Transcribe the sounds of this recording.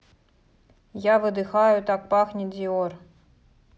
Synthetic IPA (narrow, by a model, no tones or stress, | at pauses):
javɨd̪ɨxajʊt̪ak̚paxnʲɪdʲior